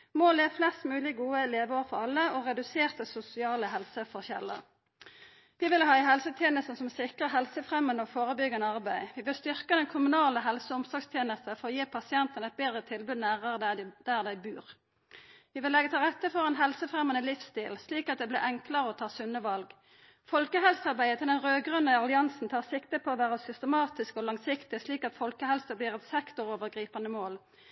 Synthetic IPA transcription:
moːleːʋflɛst̪mʉːlɪɡuːəleːʋəoːfɔʁɑlːəɔʁɛd̪ʉseːʁt̪əsʊsɪɑːləɦɛlsəfɔʁçɛ̰lːə̰ʁ | ʋɪʋɪlhɑːɪɦɛlsət̪ʰjeːnəst̪nsɔmsɪkʁəʁɦɛlsəfʁɛmənɔfoːʁəbʏɡənəɑʁbæɪʋɪʋɪlst̪ʏʁkəd̪ɛnkʰʊmʉnɑːləɦɛlsəʊmsɔɡst̪ʰjeːnəst̪əfɔʁɔjeːpʰɑsɪɛnt̪ənɛt̪̚beːd̪ʁət̪ʰɪlbʉd̪næːʁəʁəd̪̥æʁd̪æɪbʉːʁ | ʋɪʋɪlɛɡət̪ʰɪlʁɛt̪ːəfɔʁɛnɦɛlsəfʁɛmənəlɪfst̪iːlsliːkɑt̪̚d̪ɛːblɪ̰ʔɛŋkləʁəɔt̪ʰɑːsʉnːəʋɑlɡ | fɔlkəɦɛlsəɑʁbæɪət̪ʰɪld̪ɛnʁøːɡʁʉnːɪɑlɪɑnsn̩t̪ʰɑːʁsɪkt̪əpʰɔːʋæːʁəsʏst̪əmɑːt̪ɪskɔlɑŋsɪkt̪ɪsliːkɑt̪fɔlkəhɛlsəbliːʁɛt̪sɛkt̪ɔʁoːʋəʁɡʁiːpənəmoːl

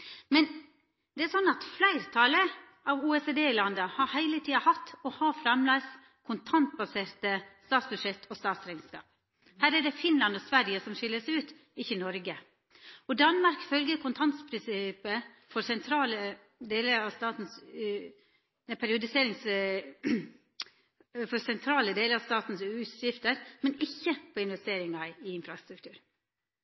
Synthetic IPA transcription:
mɛn | d̪̥ɛæɾsɔnːɑt̪flæɪɾt̪ʰɑlə | ʔɑʋuːɛsed̪eːɪlɑnd̪əhɑɾhæɪlət̪ʰiːɑhɑt̪ːɔhɑfɾɑmlɑɪs | kʰʊnt̪ʰɑnt̪̚bɑseːɾt̪əst̪ɑːt̪sbʉd̪ʂɛt̪ʰːɔst̪ɑːt̪sɾæɪnskɑ̰ːp̚ | hæːɾæɖɛfɪnlɑnɔsʋæɾjəsɔmʃɪlːəsæɪʉːt̪ | ɪçːənɔɾɡə | ɔd̪ɑnmɑɾkfœlɡəɾkʰʊnt̪ʰɑnt̪spʰɾɪnsɪpə | fɔɾsɛnt̪ʰɾɑːlə | d̪eːləɾɑʋst̪ɑːt̪n̩s | pʰæɾɪʊd̪ɪseːɾɪŋs | fɔɾsɛnt̪ʰɾɑːləd̪eːləɾɑʋst̪ɑːt̪n̩sʉt̪jɪft̪əɾmɛnɪçːəpʰɔɪnʋɛst̪eːɾɪŋɑɪɪnfɾɑst̪ɾʉk̚t̪ʰʉːɾ

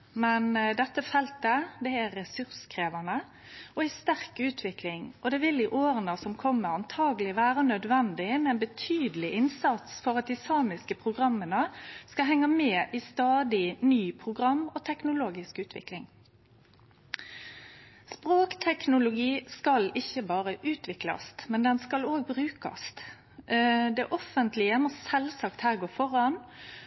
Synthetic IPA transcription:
mɛnd̪ɛt̪ːəfɛlt̪əd̪ɛæʁːɛsʉʁskʰʁeːʋɑnə | ɔɪst̪æʁkʉːt̪ʰʋɪklɪŋɔd̪ɛːʋɪlɪʔoːʁənəsɔmkʰɔmːəʁɑnt̪ʰɑːɡəlɪʋæːʁənœd̪ʋɛnd̪ɪmɛɛːnbət̪ʰyːd̪əlɪʔɪnsɑt̪sfɔʁɑt̪̚d̪iːsɑːmɪskəpʰʁʊɡʁɑmːənəskɑɦɛŋːɑmeːʔiːst̪ɑːd̪ɪnyːpʰʁʊɡʁɑmːoːt̪ʰɛknʊloːɡɪskʉːt̪ʰʋɪ̰klɪŋ | spʁoːkt̪ʰɛknʊlʊɡiːskɑlɪçːəbɑːʁəʔʉːt̪ʰʋɪklɑ̰st̪mɛnd̪ɛnskɑloːɡ̚bʁʉːkɑ̰st̪ | d̪ɛʔɔfənt̪lɪəmɔsɛlsɑkt̪hæːʁɡoːfɔʁɑn

